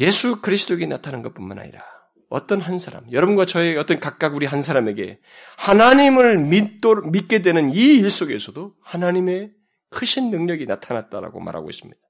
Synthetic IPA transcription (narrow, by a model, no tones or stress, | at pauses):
je̞sʰukɯɾisʰdoɡenatʰanɯnɡʌt̚p͈unmana̰ɲḭɾa | ʌ̰t͈ʌnɦansʰaɾa̰mjʌɾʌbunɡwat͡ɕʌeʌt͈ʌnkak̚k͈aɡuɾiɦansʰaɾame̞ɡe̞̰ | hanaɲimɯɭ | mit̚k͈e̞dwe̞nɯniːɭs͈oɡe̞sʰʌdohanaɲime̞ | kʰɯɕʰinːɯŋɲʌɡinatʰanat̚t͈aɾa̰ɡo̰ma̰ɾɦa̰ɡo̰ḭs͈ɯmɲid̥a